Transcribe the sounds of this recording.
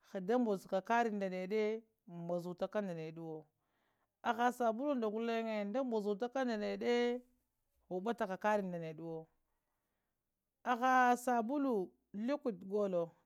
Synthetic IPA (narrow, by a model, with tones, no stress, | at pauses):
xa˨da˦mbo˨zka˨ka˦ɾi˨nda˨ne˨de˦ | ma˨zu˨ta˦ka˦nda˨ne˨ɗu˦wo˨ | a˨xa˨sa˨bu˦lu˦nda˨ɡu˦le˦ŋe˨nda˦mbo˨zu˨ta˦ka˦nda˨ne˨de˦ | ɣu˨ba˦ta˨ka˨ka˦ɾi˨nda˨ne˨ɗu˦wo˨ | a˨xa˨sa˨bu˦lu˨ | li˦ku˨tɡo˦lo˨